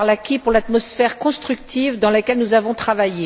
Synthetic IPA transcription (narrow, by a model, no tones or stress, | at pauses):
ʁlakʲipuʁlat̪mɔsfɛʁkɔ̃st̪χyk̚t̪ʰivd̪ɑ̃lakʲɛlnuzavɔ̃t̪χavaje